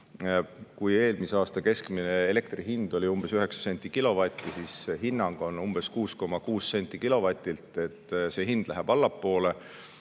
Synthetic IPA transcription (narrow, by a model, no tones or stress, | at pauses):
kuje̞ːlmiseɑːst̪ɑke̞skmineele̞kt̪riɦind̪̥o̞lʲiumb̥e̞syɦe̞ksɑ̥se̞nʲt̪ːˑikilo̞vɑt̪ʲːˑisisɦinːɑŋɡ̥o̞numb̥e̞skuːsko̞mɑkuːsːenʲt̪ʲːˑikilo̞vɑt̪ʲːˑilt̪e̞t̪ːˑse̞ːɦind̪̥læɦæb̥ɑlːɑpːo̞ːle̞